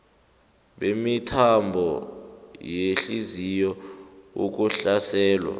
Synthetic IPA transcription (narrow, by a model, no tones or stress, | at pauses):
ɓemitʰambʱɔ | jeɬizijɔṵk̬uɬasɛːlwa̰